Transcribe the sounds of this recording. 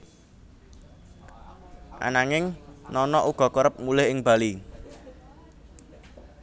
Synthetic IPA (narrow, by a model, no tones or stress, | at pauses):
ʔa̰naŋɪŋnɔnɔʔuɡ̥ɔ̤kɔɾəp̚mulɪhɪŋb̥a̤li